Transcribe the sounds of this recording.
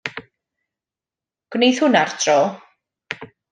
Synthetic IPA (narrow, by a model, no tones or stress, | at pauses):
ɡ̥wnejθhʊnartʰrɔː